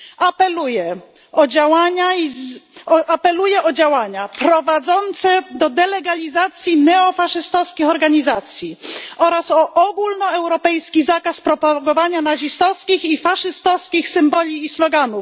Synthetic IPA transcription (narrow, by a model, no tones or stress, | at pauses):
apɛlujɛ | ɔd͡ʑawaɲa | ʔapɛlujɛʔɔd͡ʑawaɲapɾɔvad̪zɔnt̪sɛd̪ɔd̪ɛlɛɡalʲizat̪sʲjinɛɔfaʂɘst̪ɔfskʲixɔɾɡaɲizat̪sʲjiɔɾasɔʔɔɡulnɔɛwɾɔpɛjskʲizakaspɾɔpaɡɔvaɲanaʑist̪ɔskʲixifaʂɘst̪ɔfskʲixsɘmbɔlʲiːslɔɡanuf